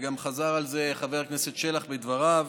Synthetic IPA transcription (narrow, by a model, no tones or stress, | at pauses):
ɡamχazaʁalze̞χaveʁkneset̪ʃelaχbed̪vaʁav